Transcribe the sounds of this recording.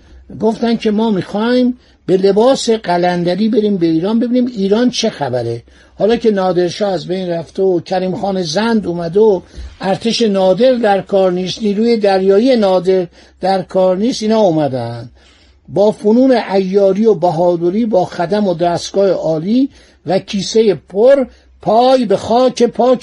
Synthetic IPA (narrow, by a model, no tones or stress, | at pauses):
ɡo̞ft̪æncʰe̞mɒːmixɒːim | be̞le̞bɒːse̞ɢælænd̪æɾiːbe̞ɾiːmbe̞iːɾɒːnbe̞biːniːmiːɾɒːnt͡ʃʰe̞xæbæɾe | hɒːlɒːce̞nɒːd̪e̞ɾʃɒːæzbejnræft̪eocʰæɾiːmxɒːnezænd̪uːmæd̪eoæɾt̪ʰe̞ʃe̞nɒːd̪e̞ɾd̪æɾkʰɒːɾniːst̪niːɾuːje̞d̪æɾjɒːijenɒːd̪e̞ɾ | d̪̥æɾkʰɒːɾniːst̪iːnhɒːumæd̪ænd̪̥ | bɒːfonuːneʔæjːɒːɾiːobæɦɒːd̪oɾiːbɒːxæd̪æmod̪æːst̪ɡɒːheʔɒːliː | vækʰiːse̞je̞pʰoɾ | pʰɒːjbe̞xɒːcʰe̞pʰɒː